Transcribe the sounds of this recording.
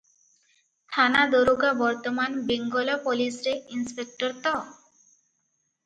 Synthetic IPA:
t̪ʰanad̪oɾuɡabɔɾt̪ɔmanbeŋɡɔlɔpolisɾeinspek̚ʈɔɾt̪ɔ

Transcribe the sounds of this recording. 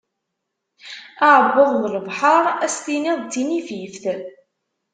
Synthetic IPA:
aʕəbːʊðˤnələvħɑɾˤæst̪iniðˤt̪ːinififθ

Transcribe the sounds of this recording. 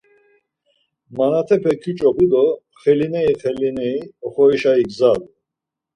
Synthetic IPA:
manat̪ʰɛpʰɛkʰit͡ʃʼɔbud̪ɔ | χɛlinɛiχɛlinɛiɔχɔiʃaiɡzad̪

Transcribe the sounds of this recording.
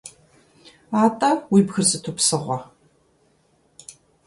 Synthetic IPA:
aːtʼɐwiːbxɨrzɨtʰʊpsɨʁʷɔ

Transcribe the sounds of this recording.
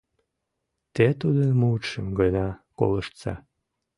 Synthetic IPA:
t̪et̪ud̪ənmut̪ʃəmɡənɑko̰ləʃt̪sɑ̰

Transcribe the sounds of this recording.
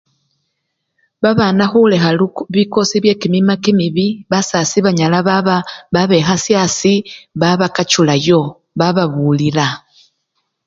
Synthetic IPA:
βaβanaxule̞xaluβiko̞siβje̞ːkimimakimiβiβasasiβaɲalaβaβaβaβe̞xasjasiβaβakat͡ʃulajo̞ | βaβaβuːlila

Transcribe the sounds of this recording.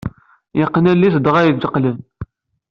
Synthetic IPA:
jəqːənælːisd̪ʁæjəzəqːlən

